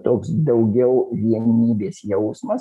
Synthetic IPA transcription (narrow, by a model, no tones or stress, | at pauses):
t̪oːksd̪ɐʊɡʲɛʊʋʲiɛnʲiːbʲeːsjɛʊsmɐs